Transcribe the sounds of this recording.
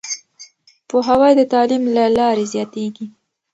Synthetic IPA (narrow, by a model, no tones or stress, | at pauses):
poɦawɑjd̪ət̪ɑlimlalɑɾezjɑt̪eɡi